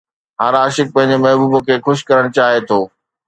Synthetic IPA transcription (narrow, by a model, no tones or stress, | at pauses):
ɦãːɾaːʃɪk̚pɐ̃ɦɪ̃ɲd͡ʑemɐɦbuːbəkʰeːxʊʃkɐɾəɽ̃t͡ɕaːɦet̪ʰoː